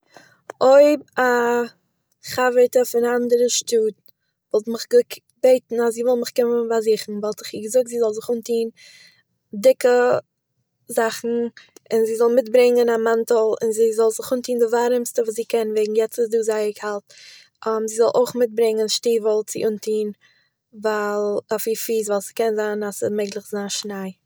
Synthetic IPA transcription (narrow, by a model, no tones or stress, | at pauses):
oɪb̚a | χavətəfɪnaandəɾəʃtuːt | vɔlˠtmɪχɡɪk | beɪtn̩asziːvɔlˠmɪχkɪmənvaziːχn̩balˠtɪχiɡəzʊk̚tziːzɔlˠzɪχuːntiːn | dɪkə | zaχn̩ɪnziːzɔlˠmɪtbɾɪŋənamantəlˠɪ̰nziːzɔlˠzɪχuːntiːndɪvaɾəmstəvuːs̬ziːkɛnveɪɡŋ̩jɛt͡susduːzaɪəkhalˠt | amziːzɔlˠʔo̰ʊχmɪt̚bɾɪŋənʃtiːvəlˠt͡sɪ̰ʔuːntʰiːn | valˠafiːfiːsvalˠsɪ̥kɛnzaːnasɪmeɪɡlˠɪχzaːnʃnaɪ